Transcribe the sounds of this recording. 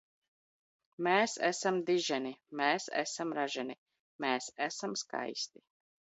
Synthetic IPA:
mɛːsæ̰samd̪iʒɛnimɛːsæ̰samɾaʒɛni | mɛːsæsamska̰jsʲt̪i

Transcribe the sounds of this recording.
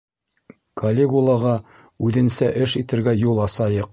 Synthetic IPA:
kʰolʲːeɡulˠɑʁɑ | ʉðɘ̆nsæʔɘʃit̪ɘ̆ɾɡæjulˠɑsɑjɤq̚

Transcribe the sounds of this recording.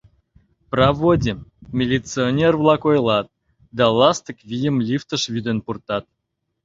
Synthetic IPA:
prɑvodʲimʲelʲit͡sɨonʲervlˠɑkojlˠɑt̪̚ | d̪ɑlˠɑst̪əkvʲijəmlʲift̪əʂvʲyd̪enpurt̪ɑt̪̚

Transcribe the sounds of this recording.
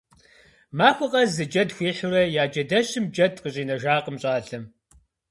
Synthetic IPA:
maːxʷɨqʼɐzɨd͡ʒɐdxʷiːħʊɾɐjaːd͡ʒɐdɐɕɪmd͡ʒɐdqəɕʼiːnɐʒaːqʼəmɕʼaːɬɐm

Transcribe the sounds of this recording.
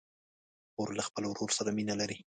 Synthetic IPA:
oɾlaxpəlowɾoɾsaɾaminalaɾi

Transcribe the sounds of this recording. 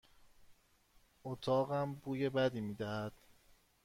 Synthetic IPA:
ʔot̪ʰɒːɣæmbuːje̞bæd̪iːmiːd̪æhæd̪̥

